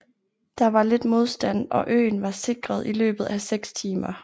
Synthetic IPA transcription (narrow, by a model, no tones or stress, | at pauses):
d̥ɑ̈ʋɑ̈le̝d̥mo̝ð̞ˠsd̥æn̰ɒ̽ʔø̰ːnʋɑ̈se̝ɡ̥ʁɐð̞ˠilø̰ːb̥ð̩ˠæseɡ̥st͡sʰiːmɐ